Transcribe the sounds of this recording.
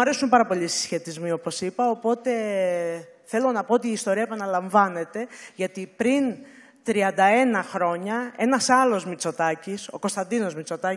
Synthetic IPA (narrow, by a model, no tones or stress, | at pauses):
ɐɾe̞sumpɐɾɐpo̞lisi̥sçe̞t̪izmio̞po̞sipɐopo̞t̪e̞ | θe̞lo̞nɐpo̞ot̪̬iːst̪o̞ɾiɐepɐnɐlɐɱvɐne̞t̪e̞ʝɐt̪ipɾin | t̪ɾiɐnd̪ɐe̞nɐxɾo̞ɲɐe̞nɐsɐlo̞zmit͡so̞t̪ɐciso̞̰kost̪ɐnd̪ino̞zmit͡so̞t̪ɐ